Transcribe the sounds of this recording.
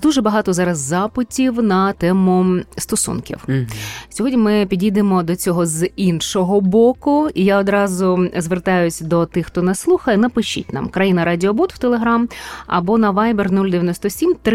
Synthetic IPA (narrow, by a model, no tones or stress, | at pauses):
d̪uʒɛbɐɦɑt̪ɔzɑɾɐzːɑpɪtʲiwnɐt̪ɛmʊst̪ɔsṵnkʲḭwsʲɔɦɔdʲnʲimɪpʲidʲid̪emɔd̪ɔt͡sʲɔɦɔzinʃɔɦɔbɔkʊijaɔd̪ɾɑzʊzʋert̪ɑjʊsʲd̪ɔt̪ɪxt̪ɔnɛslˠuxɐjɛnɐpɪʃḭtʲnɑ̰mkɾɐjinɐɾɑdʲɪɔbut̪w̥t̪elˠeɦɾɑmɐ̰bɔnɐʋajbɛrnulʲd̪ejɐnɔst̪ɔsʲimt̪ɾ